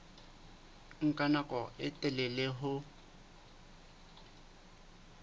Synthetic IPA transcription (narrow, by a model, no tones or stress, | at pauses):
ŋ̩kʼanakʼɔʔɪtʼɛlɛleɦʊ